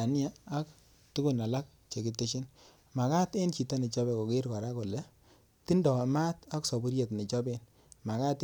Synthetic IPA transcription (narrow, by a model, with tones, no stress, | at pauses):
a˨n˦aː˦k | tu˦ku˦˨na˨la˦k̚ | t͡ʃe˨ki˦te˦ʃi˦n | ma˨ka˦tɪ˦nt͡ʃi˨ta˦ni˨t͡ʃɔ˦bɛ˨ko˨ke˦ɾka˨ɾa˦ko˨lɛ˦ | ti˦ndɔ˨ma˦ta˦ksɔ˨bu˦ɾje˨tni˨t͡ʃɔ˦be˦n | ma˨ka˦t